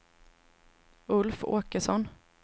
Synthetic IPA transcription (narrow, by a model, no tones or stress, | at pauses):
ɵlfo̰ːkəʂɔn